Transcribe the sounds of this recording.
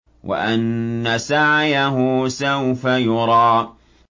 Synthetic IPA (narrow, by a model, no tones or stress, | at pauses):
wʔa̰ʔanːasaʕjaɦʊsawfajʊɾˤɑː